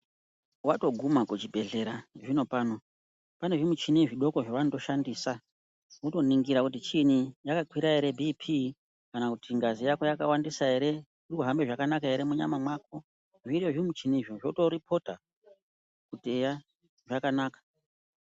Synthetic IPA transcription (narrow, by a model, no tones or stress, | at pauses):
wato̞ɡʱumakut͡ʃibʱe̞ɮe̞ɾaʐino̞paːno̞ | pane̞ʐimut͡ʃiniʐiɗo̞ko̞ʐaʋanoto̞ʃandiːsa | uto̞niŋɡiɾakutit͡ʃinijakakwiɾaeɾe̞bʱipʰi | kanakutiŋɡazijako̞jakawandisae̞ɾe̞ | ikuɦambe̞ʐakanakae̞ɾe̞muɲa̰mamwako | ʐijoʐimut͡ʃiniʐoʐoto̞ɾipʰo̞ta | kuteja | ʐakanaːkḁ